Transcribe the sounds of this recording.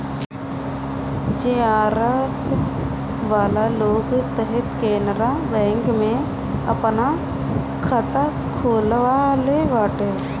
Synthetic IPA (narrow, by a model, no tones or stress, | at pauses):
d͡ʒeːaːɾa | ʋaːlaloːɡt̪əɦɛt̪keːnəɾabɛ̃ːŋkmẽ | ɐ̰pna | kʰət̪a | kʰoːlʋaleʋaːʈe